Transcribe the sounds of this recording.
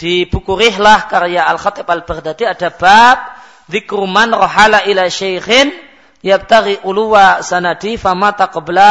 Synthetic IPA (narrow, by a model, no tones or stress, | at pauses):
d̥ib̥ukuɾiɦlahkaɾjaʔalxat̪ɪbalbərd̪at̪iadabap̚ | ðɪkɾumanrɔɦalaʔilaʃajxɪn | jab̚t̪aɾiʔuluwasanadifamat̪aqɔbla